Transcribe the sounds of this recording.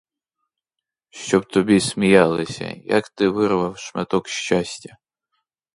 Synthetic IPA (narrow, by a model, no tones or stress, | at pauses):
ʃt͡ʃɔbt̪ɔbʲisʲmʲijɑlˠɪsʲɐ̰jɐ̰kt̪ɪʋɪɾʋɐwʃmɛt̪ɔkʃt͡ʃasʲtʲɐ